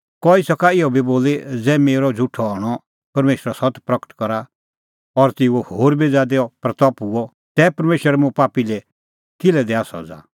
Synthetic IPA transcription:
kɔisɐkaɪɔbiboːled͡zɛːmeːɾɔd͡zʱuʈʰːɔɔːɽ̃ɔ | pɐɾmeːʃəɾasɐt̪pɾɐkə̥ʈkɔɾa | ɔɾt̪ɪuohoːɾbid͡zad̪eɔpɾɐt̪ɔpuɔ | t̪ɛːpɐɾmeːʃəɾɛmũpaːpilɛ | kɪlɛd̪ɛasɔ̰d͡za̰ː

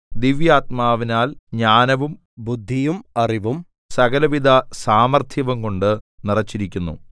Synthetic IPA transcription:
d̪iʋjaːt̪̚maːʋinaːlɲaːnɐʋum | bud̪ʱːijumɐriʋum | sɐɡɐlɐʋid̪ʱɐsaːmɐrt̪ʰjɐʋɐŋko̞ɳɖɨnirɐt͡ɕːiɾikʲːunːṵ

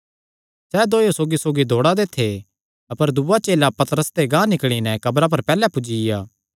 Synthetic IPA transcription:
sɛːd̪oːjosoːɡisoːɡid̪ʱoːɽad̪eːt̪ʰːe | ɐpəɾd̪uʋat͡ʃeːlapɐt̪əɾəst̪eɡãːnɪkɽ̃inɛkɐbɾap̬ɐɾpɛːlɛpʊd͡ʒijaː

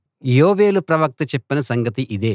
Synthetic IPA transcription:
joːʋe̞ːlupɾɐʋɐk̚t̪ɐt͡ʃɛpːinɐsɐŋɡɐt̪iʔid̪e̞ː

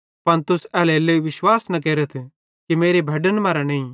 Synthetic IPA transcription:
pɐnt̪ʊsɛːleleːʋɪʃwaːsnɐk̬eːɾət̪ʰ | kimeːɾebʱɐɖənmaːɾanɐĩ

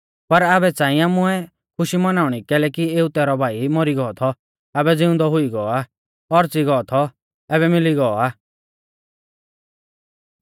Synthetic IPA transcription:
pɐɾabɛt͡sãːĩamʊɛ | kʰʊʃimɐnaːʊɽ̃ikɛːlɛkieːut̪ɛːɾɔbʱaːimɔɾiɡɔːt̪ʰɔ | abɛd͡zɪʊ̃nd̪ɔɦʊiɡɔɔaː | ɔɾt͡siɡɔːt̪ʰɔ | ɛβɛmɪliɡɔɔaː

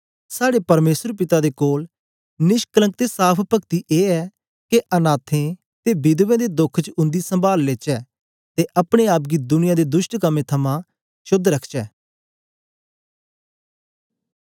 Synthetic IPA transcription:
saːɽeːpəɾmeːsəɾpɪt̪aːd̪eːkoːl | nɪʃkələ̃ŋk̚t̪eːsaːpʰpəkt̪iːʔeːɛː | keʔənaːt̪ʰẽː | t̪eːbɪd̪ʋẽːd̪eːd̪ʊkʰt͡ʃʊ̃nd̪iːsə̃mbaːlːet͡ʃɛː | t̪eːʔəpɽ̃eːaːpɡiːd̪ʊnɪjãd̪eːd̪ʊʃʈkəmẽːt̪ʰəmãː | ʃʊd̪ɾəkʰt͡ʃɛː

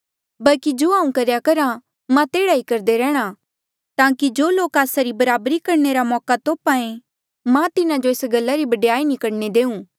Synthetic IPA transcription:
bɐlkid͡ʒoːaːũkɐɾjakɐɾa | mãt̪eːɽaikɐɾd̪eɾɛ̃ːɽ̃a | t̪ãːkid͡ʒoːloːkaːsaɾibɐɾaːbɾikɐɾneɾamɔːkat̪oːpaẽ | mãt̪ɪnãd͡ʒoeːsɡɐlːaɾibɐɖjaːinɪkəɽned̪eːũː

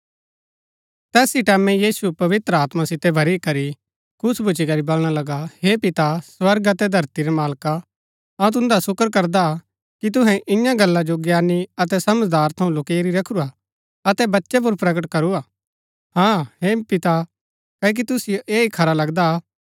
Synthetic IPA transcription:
t̪ɛːsiʈɛːmɛ̃jiːsupɐʋɪt̪ɾəaːt̪masɪt̪ːɛbʱɐɾikɐɾi | kʰʊsbʱʊt͡ʃikɐɾibɐlɽ̃alɐɡaɦepɪt̪asʋɐɾɡɐt̪ɛd̪ʱɐɾt̪iɾɛmaːlka | ɐ̃t̪̬ʊ̃nd̪asʊkəɾkɐɾd̪a | kit̪̬ʊɦɛ̃ʔɪjãɡɐlːãd͡ʒoɡjaːnːiɐt̪ɛsɐməd͡ʒd̪aːɾt̪ʰɐũloːkeeɾiɾɐkʰʊɾa | ɐt̪ɛbɐtːʃɛp̬uɾpɾɐɡəʈkɐɾuaː | hãːɦepɪt̪a | kɐːk̬it̪ʊsijoʔeːikʰɐɾalɐɡd̪a

